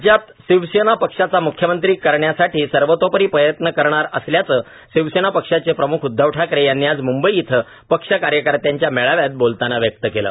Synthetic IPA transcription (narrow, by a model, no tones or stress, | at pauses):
d͡ʑjat̪ | ɕiʋɕenapəkʂat͡samukʰjəmənt̪ɾiːkəɾɳjasaʈiːsəɾʋət̪opəɾiːpɾəjət̪nəkəɾɳ̃aɾəsljat͡səː | ɕiʋsenapəkʂat͡sepɾəmukʰud̪ʱːəʋʈʰakɾejanːiad͡zmumbəjiit̪ʰə | pəkʂəkaɾjəkəɾt̪jaɲt͡ɕjameɭaʋjat̪̚bolt̪anaʋjək̚t̪əkelə̰ː